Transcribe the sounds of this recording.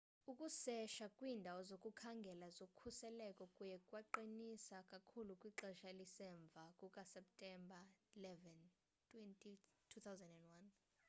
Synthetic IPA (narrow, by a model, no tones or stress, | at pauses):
ukʼusɛʃakʼwiːndʱawɔzokʼukʰaŋɡʱɛlazokʰusɛlɛkʼɔkʼujɛkʼwaǃinisakʼakʰulukʼwiǁɛʃalisɛɱb̪vʱakʼukʼasɛp̚tʼɛmbʱailɛvɛn | tʰʼwɛntʼitʰut̪ʰawzɛndɛndwan